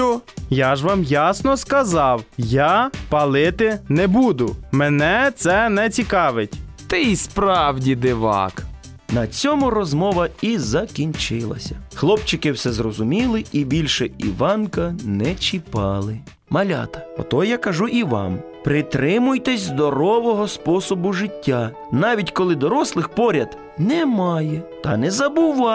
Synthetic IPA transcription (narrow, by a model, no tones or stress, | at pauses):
jaʒʋɑmjasnɔskɐzɑwjapɐlˠɪt̪ɪnɛbud̪ʊmɛnɛt̪sɛnɛt͡sʲikɑʋɪtʲt̪ɪispɾɑwdʲid̪ɪʋɑ̰k | nɐt͡sʲɔmʊrɔzmɔʋɐizɐkʲinʲt͡ʃɪlˠɐ̰sʲɐxlˠɔpt͡ʃɪkɪwsɛzrɔzʊmʲilˠɪibʲilʲʃɛḭʋɑnkɐnɛt͡ʃipɑlˠɪ | mɐlʲɑ̰t̪ɐ̥ɔ̰t̪ɔjakɐʒuʔiʋɑ̰m | pɾɪt̪ɾɪmʊjt̪ɛsʲzd̪ɔɾɔʋɔɦɔspɔsɔbʊʒɪtʲːa | nɑʋʲitʲkɔlˠɪd̪ɔɾɔslˠɪxpɔɾʲɐd̪ | nɛmɑjɛt̪ɐ̰nɛzɐbʊʋɑ